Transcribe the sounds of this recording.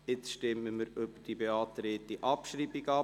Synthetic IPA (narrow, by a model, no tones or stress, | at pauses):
jɪt͡sʃtɪmːəməɾʏb̥əd̥ibeɑːt̪ɾeːt̪iʔɑpʃɾiːbiɡɑ